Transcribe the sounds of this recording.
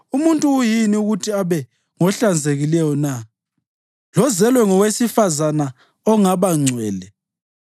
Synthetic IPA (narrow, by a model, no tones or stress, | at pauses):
umuntʼuːjiniuɣutʰiaβɛ | ŋɔɬand͡zʱeɣilɛjɔna | lɔzɛlwɛŋɔwesifazana | ɔŋaβaŋ͡ǀʱwɛːlɛ